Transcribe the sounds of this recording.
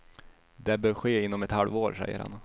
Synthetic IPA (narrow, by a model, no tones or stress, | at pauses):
d̪ɛbœːɾɧeːɪnːɔmɛt̪halvoːɾʂɛ̰jːə̰ɾha̰n